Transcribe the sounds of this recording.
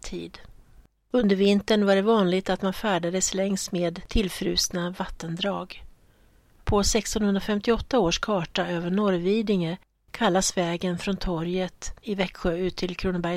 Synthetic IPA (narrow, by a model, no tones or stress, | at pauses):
t̪ʰḭːd̪ | ɵnd̪əɾvɪnt̪əɳvaɖɛvɑːnlɪɡt̪at̪manfæːɖad̪əslɛŋst̪meːd̪ʰɪlfɾʉ̟ːsnavat̪ːənd̪ɾɑːɡ | pʰɔsɛkst̪ɔnhɵnd̪ɾafɛmt̪ɪɔt̪ːaoːʂkʰɑːʈaøːvəɳɔɾviːd̪ɪŋə | kʰalːasvɛːɡənfɾɔnt̪ʰɔɾjət̪ɪvɛkɧøːʉ̟ːt̪ʰːɪlkʰɾuːnbæj